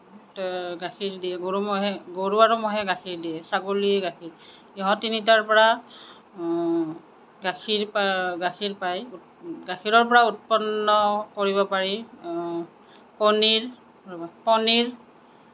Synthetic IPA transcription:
ɡakʰiɹdijɛɡoɹumɔɦɛɡoɹuaɹumɔɦɛɡakʰiɹdijɛsaɡuliɡakʰiɹ | iɦɔ̃tinitaɹpɔɹa | ɡakʰiɹpaɡakʰiɹpaj | ɡakʰiɹɔɹp̬ɔɹaut̚pɔnːɔkoɹiβɔpaɹi | pɔniɹ | pɔniɹ

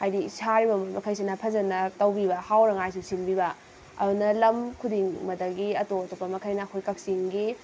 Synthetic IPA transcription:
hajdisʰaɾibɐmomɐkʰɐjsinɐpʰɐzɐnɐtɐwbibɐhawɾɐŋajs̬usinbibɐ | ɐ̰dunɐlɐmkʰudiŋmɐdɐɡiɐtotopːɐmɐkʰɐjnɐːkʰojkɐk̚siŋɡi

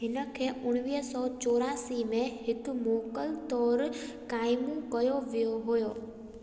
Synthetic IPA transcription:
ɦɪnəkʰeʔʊɽ̃ʋiəsɔt͡ʃoɾasimẽɦɪt̪umokəlt̪ɔɾ | kajmũkəjoʋjoɦojo

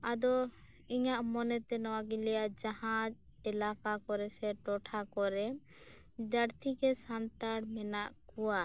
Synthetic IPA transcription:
ad̪ɔ | iɲaʔmɔnɛt̪ɛnɔwaɡilɛjad͡ʒahãd͡ʒ | ɛlakakɔɾɛsɛʈɔʈʰakɔɾɛ | d͡ʒaɽt̪ʰikɛsant̪aɽmɛnaʔkuwa

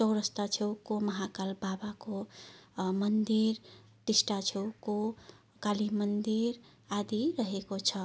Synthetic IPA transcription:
t͡ʃɔwɾəst̪at͡ʃʰewkoməɦakalbabako | mənd̪iɾ | ʈisʈat͡ʃʰewko | kalimənd̪iɾ | ad̪iɾəɦekot͡ʃʰʌ

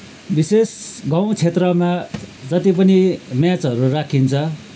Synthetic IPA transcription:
bisesɡaw̃t͡sʰet̪rʌmad͡zʌt̪ipʌnimjat͡sɦʌɾurakʰint͡sʰʌ

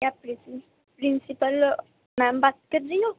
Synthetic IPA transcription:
japɾisi | pɾinsipəl | mãmbat̪̚kəɾijo

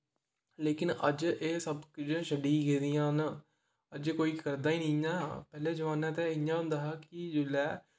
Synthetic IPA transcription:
leːkɪnəd͡ʒeːsəbkd͡ʒʃəɖiːɡeːd̪ijãːɦn | əd͡ʒkoːiːkəɾd̪aːiːnĩːãːpɛːleːd͡ʒəʋaːnɛːt̪eːɪjãːd̪əɦaːkɪd͡ʒʊlɛː

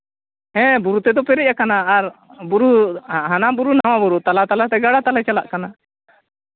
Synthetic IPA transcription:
ɦɛ̃buɾut̪ɛd̪ɔpɛɾɛc̚ʔakanaːɾbuɾuɦanabuɾunaw̃abuɾut̪alat̪alat̪ɛɡaɽat̪alat͡ʃalaʔkana

